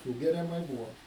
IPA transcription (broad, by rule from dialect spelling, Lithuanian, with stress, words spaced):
ˈsuːɡʲɛrʲɛmɐɪ ˈbuːʋoː